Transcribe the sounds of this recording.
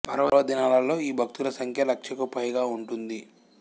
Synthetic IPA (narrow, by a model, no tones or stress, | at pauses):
pɐɾɐʋɐʋɐd̪inaːlɐlːo̞ːiːbʱɐk̚t̪ulɐsɐŋkʰjɐlɐkʂɐkupɐjɡaːuɳʈund̪i